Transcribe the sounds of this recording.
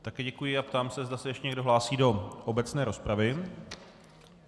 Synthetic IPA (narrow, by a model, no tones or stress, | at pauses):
t̪akɛːɟɛkujɪapt̪aːmsɛzdasɛjɛʃcɛɲɛɡdoɦlaːsiːdo̞ʔobɛt͡snɛːɾo̞spɾavɪ